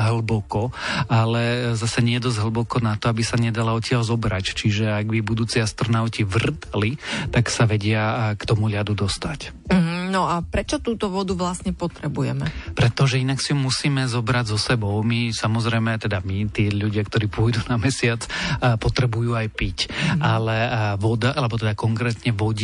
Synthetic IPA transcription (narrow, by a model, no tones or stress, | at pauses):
ɦlbɔkɔalɛzasɛɲɛɛd̪ɔzɦl̩ˠbɔkɔnat̪ɔabisaɲɛd̪alaɔcɪaʎzɔbɾact͡ʃiʒɛaɡbibud̪uːt͡siːast̪ɾɔnaʊciʋr̩t̪alit̪aksaʋɛɟɪakt̪ɔmuʎad̪ud̪ɔst̪ac | m̩ɦ̩nɔapɾɛt͡ʃɔt̪uːt̪ɔʋɔd̪uʋlasɲɛpɔt̪ɾɛbujɛ̰mɛpɾɛt̪ɔʒɛinaksiɔmusiːmɛzɔbɾaɟzɔsɛbɔʊmisamɔzɾɛjmɛt̪ɛd̪amit̪ɪɛʎuɟɪakt̪ɔɾiːpʊɔjd̪unamɛsɪat͡sːpɔt̪ɾɛbujuːajpicʔalɛʋɔd̪aʔalɛbɔt̪ɛd̪akɔŋkɾɛt̪ɲɛʋɔɟ